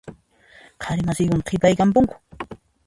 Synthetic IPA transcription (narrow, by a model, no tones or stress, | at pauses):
qʰɑɾɪmasɪjkʊmqʰɪpajkampʊŋkʊ̥